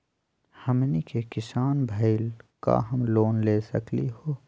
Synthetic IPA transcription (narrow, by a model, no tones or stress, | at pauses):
hɐmnikekɪsaːnbʱəɪlka̰ɦɐmloːnleːsɐ̰kliɦoː